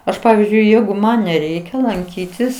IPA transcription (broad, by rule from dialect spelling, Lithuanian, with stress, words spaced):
ˈɐʃ ˈpɑːʋʲɪzʲd͡ʒʲʊɪ ˈjɛɪɡʊ ˈmɐn nʲɛˈrʲɛɪkʲɛ lˠɐŋʲˈkʲiːtʲɪs